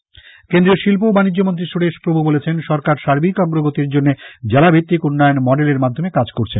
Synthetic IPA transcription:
kend̪ɾioʃilpobanid͡ʑːomont̪ɾiʃuɽeʃpɾobʱubolet͡ɕʰenʃɔɾkaɾʃaɾbikɔɡɾoɡot̪iɾd͡ʑonːed͡ʑɛlabʱit̪ːikunːɔjonmɔɖeleɾmad̪ʱːomekad͡ʑkoɾt͡ɕʰen

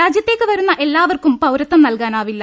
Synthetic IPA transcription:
aːd͡ʑjɐt̪ːe̞ːkːɨʋɐɾunːɐʔe̞lːaːʋɐrkumpɐwɾɐt̪ːɐmnɐlkaːnaːʋilːɐ

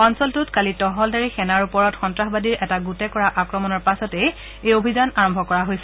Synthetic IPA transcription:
ɔnsɔltʊtkalitɔɦɔldaɹixɛnaɹupɔɹɔtxɔntɹaxbadiɹʔɛtaɡutɛkɔɹaʔakɹɔmɔnɔɹpasɔtɛ | ejobʱizanaɹɔmbʱɔkɔɹaɦojsɛ

